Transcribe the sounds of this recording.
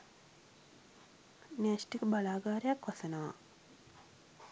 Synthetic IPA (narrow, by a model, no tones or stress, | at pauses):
næːsʈikəbalaːɡaːɾejakʋasənəʋa̰